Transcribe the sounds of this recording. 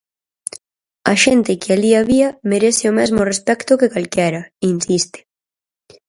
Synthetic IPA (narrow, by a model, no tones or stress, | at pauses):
aʃɛnt̪ɪkɪaliaβiameɾesɪomɛzmorespɛkt̪ʊkekalkɛɾɐinsist̪e̥